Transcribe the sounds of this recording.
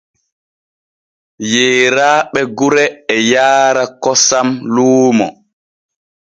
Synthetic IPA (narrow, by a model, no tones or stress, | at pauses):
jeːɾaːɓɛɡuɾɛːjaːɾakɔsamluːmɔ̰